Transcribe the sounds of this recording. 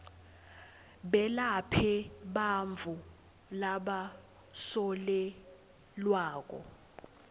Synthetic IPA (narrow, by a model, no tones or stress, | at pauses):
ɓɛlapʰɛɓaɱvʱu | laɓa | sɔlɛ | lwaːk̬ʼɔ̰